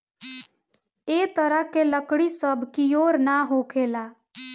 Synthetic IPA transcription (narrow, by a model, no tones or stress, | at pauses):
et̪əɾəɦkeləkɽisəbʱkijoːɾnaɦokʰela